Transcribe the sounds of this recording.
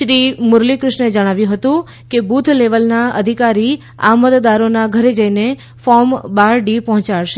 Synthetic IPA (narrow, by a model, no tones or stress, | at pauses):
ʃɾimʊɾlikɾɪʃɳed͡ʒəɽ̃aʋjũɦət̪ũ | kebut̪ʰleʋəlnaə̰d̪ʱikaɾi | a̰mət̪d̪aɾonaɡʱəɾed͡ʒəine | fɔmbaɾɖipɔɦɔ̃t͡ʃaɭʃe